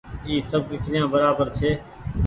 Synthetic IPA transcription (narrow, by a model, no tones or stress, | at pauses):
iːsəb̚d̪ɪkʰɾɪjãːbəɾaːbəɾt͡ʃʰeː